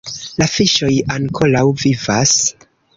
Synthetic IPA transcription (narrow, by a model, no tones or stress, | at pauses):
lafiʃo̞jaŋkʰo̞lawvivas